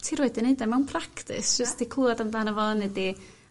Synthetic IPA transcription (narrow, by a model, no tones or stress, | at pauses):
tʰiɾɔɨdɛnedɛmawnpʰraktɪ̰sd͡ʒ̥əstikʰuadamdlˠaːnavɔnedi